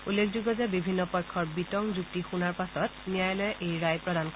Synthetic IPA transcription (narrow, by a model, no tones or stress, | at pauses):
ulːek̚ʰzuɡɔzɛbibʱinːɔpɔɹkʰːɔɹbitɔŋzuk̚tixunaɹpasɔtnijajlɔjɛʔejɹajpɹɔdank